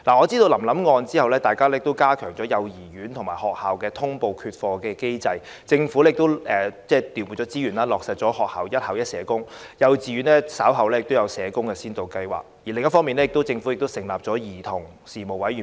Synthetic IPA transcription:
laː˨˩ŋɔː˨˧t͡siː˥d̪o˧wlɐ˨˩mlɐ˨˥mŋɔː˧nt͡siː˥hɐ˨wlɛː˥t̪aː˨jkaː˥lɛː˥jɪ˨kt̪o˥wkaː˥kʰœː˨˩ŋt͡sɔː˨˥jɐ˨˧wjiː˨˩jyː˨˥nt̪ʰʊ˨˩ŋmaː˨˩jhɔː˨k̚haː˨wkɛː˧t̪ʰʊ˥ŋpo˧wkʰyː˧t̚fɔː˧kɛː˧ke˥jt͡sɐ˧j | t͡sɪ˧ŋfuː˨˥lɛ˥jɪ˨k̚t̪o˥wɛː˨t͡sɛː˥˩t̪iː˨˩wuː˨˩t͡ʃɔː˨˥t͡siː˥jyː˨˩nlaː˥lɔː˨k̚sɐ˨t̚t͡ʃɔː˨˥hɔː˨k̚ha̰ː˨wjɐ˥t̚hɐ˨wjɐ˥t̚sɛː˨˥kʊ˥ŋjɐ˨˧wt͡siː˨˧ɥyː˨˥nlɛː˥saː˨˥wɦɐ˨wlɛː˥jɪ˨k̚t̪o˥wjɐ˨˧wsɛː˨˧kʊ˥ŋkɛː˧siː˥nt̪o˨˧wkɐ˧jwa̰ː˨˩k̚ji˨˩lɪ˨ŋjɐ˥tfɔː˥mi˨˧nlɛː˥jɪ˨kt̪̬wt͡sɪ˧ŋfu˨˥jɪ˨k̚t̪o˥wsɪ˨˩ŋlaː˨p̚t͡ʃɔː˨˥jiː˨˩t̪ʰʊ˨˩ŋ | siː˨˩mo˨˩wɐ˨˥jyː˨˩

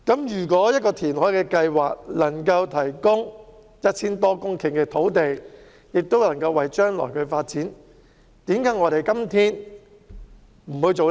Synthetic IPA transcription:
kɐ˨˥mjyː˨˩k̬wɔː˨˥jɐ˥t̚kɔː˧t̪ʰiː˨˩nhɔ˨˥jkɛː˧kɐ˧jwa̰ː˨k̚lɐ˨˩ŋkɐ˧wt̪ʰɐ˨˩jkʊ˥ŋ | jɐ˥t̚t͡sʰiː˥nt̪ɔː˥kʊ˥ŋkʰɪ˨˩ŋkɛː˧t̪ʰo˨˥wt̪e˨j | jɪ˨k̚t̪o˥wlɐ˨˩ŋkɐ˧wːɐ˨jt͡ʃœː˥ŋlɔ̰˨˩jkʰɵ˨˧faː˧t̚t͡siː˨˥n | t̪iː˨˥mkaː˨˥ŋɔ˨˧ɾe˨jkɐ˥mt̪ʰiː˥n | m̩˨˩hu˨˧jt͡so˨w

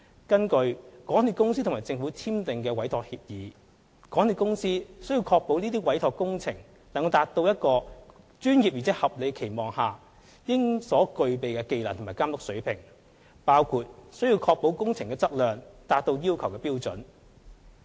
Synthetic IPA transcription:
kɐ˥nkɵ˧ɥkɔː˨˥ŋt̪yː˨˧kʊ˥ŋsiː˥t̪ʰmaː˨˩jt͡sɪ˧ŋfuː˨˥t͡sʰiː˥mt̪ɪ˨ŋkɛː˧wɐ˨˥jt̪ʰɔː˨k̚hiː˧p̚jiː˨˥ | kɔː˨˥ŋni˨˧kʊ˥ŋsiː˥sɵ˥ɥjiː˧wkʰɔː˧k̚po˨˥wniː˥t̪̬iː˥wɐ˨˥jt̪ʰɔː˨kːʊ˥ŋt͡sʰɪ˨˩ŋ | lŋkwt̪aː˧t̚t̪o˧wjɐ˥t̚kɔː˧ | t͡ʃyː˥njiː˨p̚jy˨t͡sʰɛː˨˥hɐ˨p̚le˨˧jkʰe˨˩jmɔː˨ŋhaː˨˩ | jɪ˥ŋsɔː˨˥kɵ˧ɥpe˨jkɛː˧ke˨˧jla̰ː˨nt̪ʰmaː˨˩kaː˥mlʊ˨k̚sɵ˨˥ɥpʰɪ˨˩ŋ | paː˥wkʰuː˨˧t̚sɵ˥ɥji˧wkʰɔː˧k̚po˨˥wkʊ˥ŋt͡sʰɪ˨˩ŋkɛː˧t͡sɐ˥k̚lœː˨ŋt̪aː˧t̚t̪o˧wjiː˥wkʰɐ˨˩wkɛː˧piː˥wt͡sɵ˨˥n

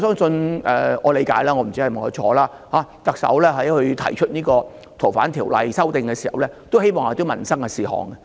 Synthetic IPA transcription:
sœː˥ŋsɵ˧nʔɛ̰ː˨ɔː˨˧le˨˧jkaː˨˥jlaː˥ŋɔː˧m̩˨˩t͡si˥hɐ˨jm˨˩ɔ˨˥t͡ʃʰɔː˨˧laː˥ | haː˨˦˥t̪ɐ˨k̚sɐ̰˨˥wlɛː˥ɦɐ˨˥jhɵ˧t̪ʰɐ̰˨˩jt͡ʃʰɵ˥t̚niː˥kɔː˧ | t̪ʰo˨˩faː˨˥nt̪ʰiː˨˩wlɐ˨jsɐ˥wt̪ɪ˨ŋkɛː˧siː˨˩hɐ˨wlɛː˥t̪o˥whe˥jmɔː˨ŋa˨˩t̪o˥wmɐ˨˩nsɐ˥ŋkɛ˧siː˨hɔ̰ː˨˩ŋkɛ˧

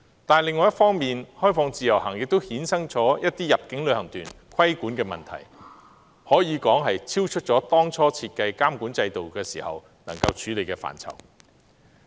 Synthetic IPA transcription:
t̪aː˨nlɪ˨ŋːɔː˨jɐ˥tfɔː˥ŋmiː˨nhɔː˥jfɔː˨˧ŋt͡siː˨˩jɐ˨˩wɦɐ˨˩ŋjɪ˨k̚t̪o˥whiː˨˥nsɐ˥ŋt͡sɔː˨˥jɐ˥t̚t̪iː˥jɐ˨p̚kɪ˨˥ŋlɵ˨˧ɥhɐ˨˩ŋt̪yː˨˩n | kʰɐ˥jkuː˨˥nkɛː˧mɐ̰˨nt̪ʰɐ̰˨˩j | hɔː˨˥jiː˨˧kɔː˨˥ŋɦɐ˨jt͡sʰiː˥wt͡ʃʰɵ˥t̚t͡ʃɔː˨˥t̪ɔː˥ŋt͡sʰɔː˥t͡sʰiː˧t̚kɐ˧jkaː˥mkuː˨˥nt͡sɐ˧jt̪o˨wkɛː˧sḭː˨˩hɐ̰˨w | nɐ˨˩ŋkɐ˧wt͡ʃʰyː˨˥le˨jkɛː˧fa̰ː˨˩nt͡sʰɐ̰˨˩w

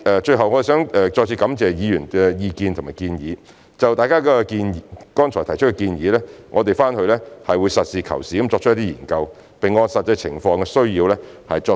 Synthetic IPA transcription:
ɛː˨˧t͡ʃɵ˧ɥɦɐ˨wŋɔː˨˧i˨˩sœː˨˥ŋɛ˨˧t͡ʃɔː˧k̚t͡sʰiː˧kɐ˨˥mt͡sɛː˨jiː˨˧jyː˨˩nkɛ˧jiː˧kiː˧nt̪ʰmaː˨˩kiː˧njiː˨˧ | t͡sɐ˨wt̪aː˨jkaː˥kɔː˧kiː˧nː˨˧kɔː˥nt͡ʃʰɔ˨˩t̪ʰɐ˨˩jt͡ʃʰɵ˥tkɛ˧kiː˧njiː˨˧lɛː˥ŋʔɔː˨˧t̪̬e˨˩jfaː˥nhɵ˧lɛ˥hɐ˨jwuː˨˧jsɐ˨t̚siː˨kʰɐ̰˨˩wsiː˨˩˥mt͡sɔː˧k̚ʰjt̪̬iː˥jiː˨˩nkɐ˧w | pe˨ŋːɔː˧sɐ˨t̚t͡sɐ˧jt͡sʰɪ̰˨˩ŋfɔː˧ŋkɛ˧sɵ˥ɥjiː˧wlɛː˥ | hɐ˨jt͡ʃɔː˧˥

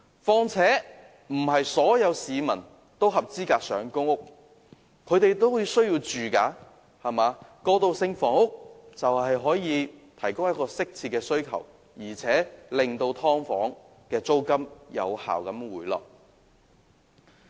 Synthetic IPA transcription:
fɔː˧ŋt͡sʰɛː˨˥ | m̩˨˩ɦɐ˨jsɔː˨˥jɐ˨˧wsiː˨˧mɐ˨˩n | t̪o˥wɦɐ˨p̚t͡siː˥kaː˧k̚sœ̰ː˨˥ŋkʊ˥ŋʊ˥k̚ | kʰɵ˨˧t̪e˨jt̪o˥wji˨˧sɵ˥ɥjiː˧wt͡ʃyː˨kaː˨˧ | hɐ˨maː˨˧kɔː˧t̪o˧wsɪ˧ŋfɔː˨˩ŋʊ˥k̚t͡sɐ˨whɐ˨jɦɔː˨˥jiː˨˧t̪ʰɐ˨˩jkʊ˥ŋjɐ˥t̚kɔː˧sɪ˥k̚t͡sʰiː˧t̚kːɛː˧sɵ˥ɥkʰɐ̰˨˩w | jiː˨˩t͡sʰɛː˨˥lɪ˨ŋt̪o˧wt̪ʰɔː˥ŋfɔ̰ː˨˥ŋ | kɛː˧t͡so˥wkɐ˥mjɐ̰˨˧wha̰ː˨wkɐ˨˥mwuː˨˩jlɔ̰ː˨˩k̚

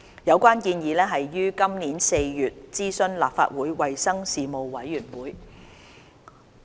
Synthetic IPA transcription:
jɐ˨˧wkʷwaː˥nkiː˧njiː˨˧lɛː˥ɦɐ˨jːyː˥kɐ˥mniː˨˥nse˧jjyː˨t̚t͡siː˥sɵ˥nla̰ː˨p̚fa̰ː˧t̚wuː˨˥jwɐ˨jsɐ˥ŋsiː˨mo˨wwɐ˨˥jːyː˨˩nwuː˨˥j

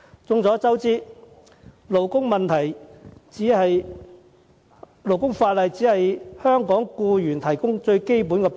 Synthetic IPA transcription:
t͡sʊ˧ŋt͡sɔː˨˥t͡sɐ˥wt͡siː˥ | lo˨˩wkʊ˥ŋmɐ˨nt̪ʰɐ˨˩jt͡siː˨˥hɐ˨j | lo˨˩wkʊ˥ŋfaː˧t̚lɐ˨jt͡siː˨˥hɐ˨jhœː˥ŋkɔː˨˥ŋkuː˧jyː˨˩nt̪ʰɐ˨˩jkʊ˥ŋt͡ʃɵ˧ɥke˥jpuː˨˥nkɛː˧p

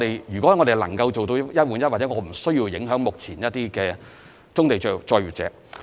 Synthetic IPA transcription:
ɾe˨jjyː˨˩kʷɔː˨˥ŋɔ˨˧e˨˩lɐ̰˨˩ŋkɐ˧wt͡so˨wt̪o˧wjɐ˥t̚wuː˨˥njɐ˥a˨˩t͡sɛː˨˧˥ŋɔː˨˧m̩˨˩sɵ˥ɥji˧wjɪ˨˥ŋɦœː˨˥ŋmʊ˨k̚t͡sʰiː˨˩njɐ˥t̚t̪iː˥kɛː˧ | t͡sʊ˥ŋt̪e˨jt͡ʃɔː˧jɥyː˨t̚t͡sɛ̰ː˨˥

